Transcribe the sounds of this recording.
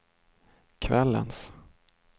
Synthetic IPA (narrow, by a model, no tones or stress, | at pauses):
kʰvɛlːə̰ns